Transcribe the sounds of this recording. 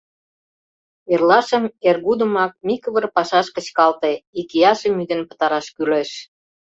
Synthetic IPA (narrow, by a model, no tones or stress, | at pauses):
erlɑʃə̆merɣud̪ə̆mɑk̚mikəβərpɑʃɑʃkə̆t͡ɕkɑlt̪eikijɑʃĕmyd̪ə̆npə̥̆t̪ɑɾɑʃkyleʃ